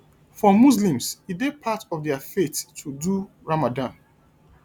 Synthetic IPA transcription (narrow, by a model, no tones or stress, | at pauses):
fɔmuslĩmsidepʰatɔvdɛəfetʰːudu | ɹamadãn